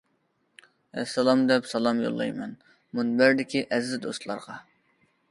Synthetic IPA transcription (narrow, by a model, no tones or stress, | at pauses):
ɛ̰sɑlˠɑmd̪ɛpsɑlˠɑmjo̰lˠːɑ̰jmɛn | munbæɾd̪ɪkʲʰiʔɛzzd̪ost̪lˠɑ̰ɾʁɑ